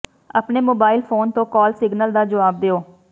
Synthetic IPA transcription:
ə̰pneːmoːbaːɪlpʰoːnt̪õːkɔːlsɪɡnəld̪aːd͡ʒəʋaːb̚d̪eːoː

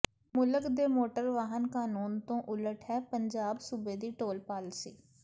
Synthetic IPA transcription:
mʊləkd̪eːmoːʈəɾʋaːɦənkaːnuːnt̪õːʔʊləʈʰɦɛːpəɲd͡ʒaːbsʊbeːd̪iːʈoːlpaːlsḭː

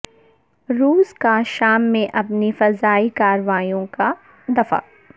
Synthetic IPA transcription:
ɾuːskaʃaːmːẽʔɐpnifɐzaːikaːɾʋaːijõka | d̪ɐfa̰ː

